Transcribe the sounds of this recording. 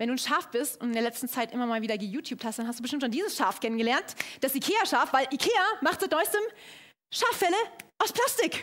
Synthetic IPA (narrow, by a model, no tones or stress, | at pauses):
vɛnduːʃaɐfb̥ɪstʊntɪndeɐlɛt͡stn̩t͡saɪtʔɪmɐmaːlviːdɐɡəjuːtʰjuːp̚thastd̥anɦastd̥uːbətɪmtt͡ʃʃondiːzəsʃaɐfkʰɛnənɡəlɛɐntd̥asʔikʰeːaʃaːfvaɪlʔikʰeːamaχtz̥ɪtdnɔʏsd̥əm | ʃaːfɛləʔaʊspl̥astɪk